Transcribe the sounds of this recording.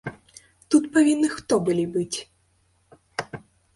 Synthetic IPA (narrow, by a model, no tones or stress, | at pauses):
t̪ut̪pavʲinːɨxt̪ɔbɨlʲibɨt͡sʲ